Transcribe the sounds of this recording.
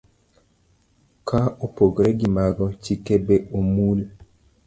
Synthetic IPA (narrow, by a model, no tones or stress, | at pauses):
kʰaopoɡɾɛɡimaɡɔt͡ʃikebeomul